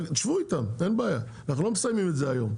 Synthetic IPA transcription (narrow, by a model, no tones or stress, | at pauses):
t̪aʃvuit̪amenbeaja | naχnulo̞mesajmimetzeajo̞m